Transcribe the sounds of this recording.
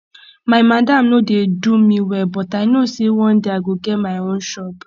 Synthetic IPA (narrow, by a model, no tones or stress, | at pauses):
maɪmadam̩nodedumiwɛbɔtaɪnosewɔ̃n̩deaɡoɡemaɪon̩ʃɔp